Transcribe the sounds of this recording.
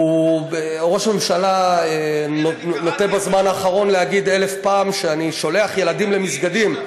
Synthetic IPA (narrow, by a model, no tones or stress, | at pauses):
ue | ʁo̞ʃame̞mʃalae | not̪ebazmanaːχaʁo̞nlehaɡid̪e̞le̞fpaːmʃeaniʃo̞leaχje̞lad̪imle̞misɡad̪im